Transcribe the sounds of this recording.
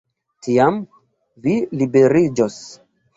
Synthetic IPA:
tiam | vilibe̞ɾid͡ʒos

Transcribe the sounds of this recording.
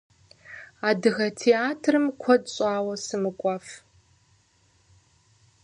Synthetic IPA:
aːdɨɣɐtʰeaːtʰrɨmkʷʰɔdɕʼaːwɐsɨmɨkʷʼaːf

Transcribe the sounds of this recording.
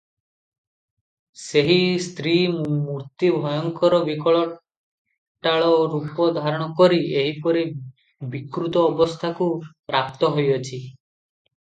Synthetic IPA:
seɦist̪ʰɾimumuɾt̪ibʱɔjɔŋkɔɾɔbikɔɭɔ | ʈaɭɔɾupɔd̪ʱaɾɔɽ̃ɔkɔɾieɦipɔɾi | bikɾut̪ɔːbɔst̪ʰakupɾap̚t̪ɔɦojɔt͡ʃʰi

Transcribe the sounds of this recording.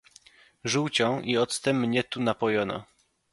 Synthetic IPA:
ʐuwt͡ɕɔ̃w̃ʔiɔt̪st̪ɛmːɲɛt̪unapɔjɔna̰

